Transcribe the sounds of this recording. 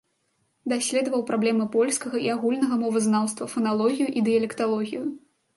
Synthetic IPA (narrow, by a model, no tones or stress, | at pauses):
d̪asʲlʲɛd̪ɐvɐwpɾablʲɛmɨpɔlʲskɐɣɐiaɣulʲnɐɣɐmɔvɨznawst̪vɐfɐnalˠɔɣʲijuʔid̪ɨjɐlʲɛkt̪alˠɔɣʲiju